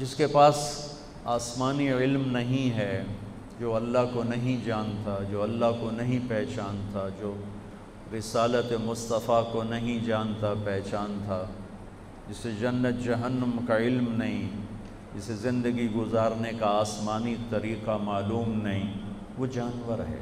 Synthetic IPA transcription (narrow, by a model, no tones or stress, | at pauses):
d͡ʒɪskepaːs | aːsmaːniɪlmnɐɦĩɦɛ | d͡ʒoːɐlːaɦkonɐɦĩd͡ʒaːnt̪ʰad͡ʒoːɐlːaɦkonɐɦĩpɛɦt͡ʃaːnt̪ʰad͡ʒoː | ɾɪsaːlət̪emʊst̪əfakonɐɦĩd͡ʒaːnt̪apɛɦt͡ʃaːnt̪ʰa | d͡ʒɪsed͡ʒɐnːət̪d͡ʒɐɦənːəmkaɪlmnɐɦĩ | d͡ʒɪsezɪ̃nd̪əɡiɡʊzaːɾnekaaːsmaːnit̪ɐɾiːqamaːluːmnɐɦĩ | ʋod͡ʒaːnʋəɾɦɛ̰ː